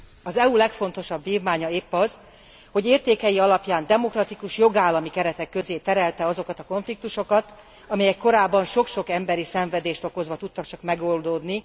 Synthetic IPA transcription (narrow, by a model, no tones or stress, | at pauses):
ɒzɛulɛkfo̞nt̪o̞ʃɒbviːvmaːɲɒeːpːɒz | ho̞ɟeːrt̪eːkɛjiɒlɒpjaːnd̪ɛmo̞krɒt̪ikuʃjo̞ɡaːlːɒmikɛɾɛt̪ɛkːøzeːt̪ɛɾɛlt̪ɛɒzo̞kɒt̪ɒko̞ɱflik̚t̪uʃo̞kɒt̪ | ɒmɛjɛkːo̞ɾaːbːɒnʃo̞kʃo̞kɛmbɛɾisɛɱvɛd̪eːʃt̪o̞ko̞zʋɒt̪ut̪ːɒkt͡ʃɒkmɛɡo̞ld̪od̪ni